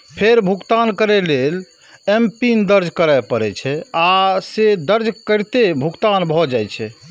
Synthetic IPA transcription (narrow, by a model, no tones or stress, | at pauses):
pʰeɾbʱukt̪ankəɾɛlel | empind̪əɾd͡ʒʱkəɾapəɾɛt͡ʃʰɛased̪əɾd͡ʒʱkəɾt̪ebʱukt̪anbʱɔd͡ʒajt͡ʃʰɛ